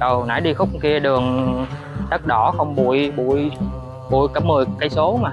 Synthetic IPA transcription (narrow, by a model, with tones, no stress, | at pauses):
ɗə˨˩wna̰ː˧˥˦jɗi˧xʊ˦˥k͡p̚ki˧əɗɨ˨˩əŋ | t̪ə˦˥t̚ɗɔ˧˩xə˧wŋ͡mɓṵ˧˩˨əjɓṵ˧˨əj | ɓṵ˧˩əjka˧˩m̚mɨ˨˩jkaː˨˦jso˨˦maː˨˩